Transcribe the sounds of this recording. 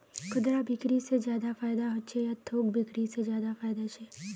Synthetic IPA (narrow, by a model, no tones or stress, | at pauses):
kʊd̪ɾabʱɪkɾised͡ʒjaːd̪afaːɪjd̪aɦʊt͡ʃʰejat̪ʰoːɡ̚bʱɪkɾised͡ʒjaːd̪afaːjd̪at͡ʃʰɛː